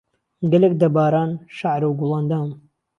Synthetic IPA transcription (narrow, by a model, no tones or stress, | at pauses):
ɡɐlek̚d̪ɐbaːɾaːnʃaʕɾuwɡulˠɑːnd̪aːn